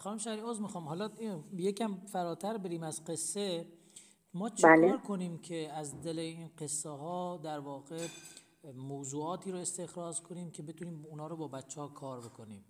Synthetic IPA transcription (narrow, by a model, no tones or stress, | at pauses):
xɒːnumʃæɾiːoːzmixɒːmhɒːlɒjecæmfæɾɒːt̪ʰæɾbeɾiːmæzqe̞sːe | mɒːt͡ʃʰaleːɾkʰoniːmkʰeæzd̪elejiːnqesːeɦɒːd̪æɾvɒːɣe | mowzuːɒːt̪ʰiːɾoest̪e̞xɾɒːzkʰoniːmcʰe̞bet̪ʰuniːmunɒːɾobɒːbæt͡ʃʰːehɒkʰɒːɾbe̞kʰo̞niːm